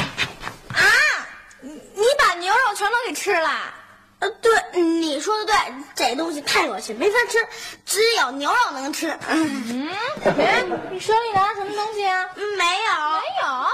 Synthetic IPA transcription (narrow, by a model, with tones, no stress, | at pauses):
a˥˩ | ni˧˥pa˨˩njo˧˥ʊɻɑ˨˩ʊʈ͡ʂʰwɛ˧˥nt̪ʰo˥ke˨˩ɪʈ͡ʂʰɻ̩˥lə̰˨˧ | t̪we˥˩ɪn̩˥˩ni˨˩ʂwɔ˥d̪ə˨t̪we˥˩ɪʈ͡ʂə˧t̪ʊ˥ŋɕ̬i˨t̪ʰa˥˩ɪjɑ˨˧˩ʊt͡ɕʰi˥˩me˧˥ɪfa˥ʈ͡ʂʰɻ̩˥ʈ͡ʂɻ̩˧˥˧jɑ˨˩ʊnjo˧˥ʊɻɑ˨˩ʊnɤ˧˥ŋʈ͡ʂʰɻ̩˥˩˥ | ʂɔ˥ni˨˩na˧˥ʂə˧˥mə˧t̪ʊ˥ŋɕi˨a˩n̩˥˩me˧˥ɪjo˨˩˦ɪjo˨˩˦